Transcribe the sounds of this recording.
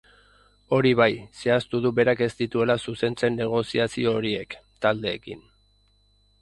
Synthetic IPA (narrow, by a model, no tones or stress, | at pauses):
o̞ɾiβ̞ajse̞ast̪uðuβe̞ɾake̞st̪it̪ue̞lasuse̞nt͡se̞nːe̞ɣ̞o̞siasio̞ːɾie̞kt̪ald̪e̞ːkḭn